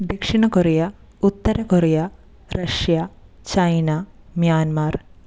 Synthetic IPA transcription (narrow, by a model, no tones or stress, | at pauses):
d̪ekʂiɳɐkorijɐ | ut̪ːɐɾɐkorijɐ | rɐʂja | t͡ɕɐjna | mjaːnmaːr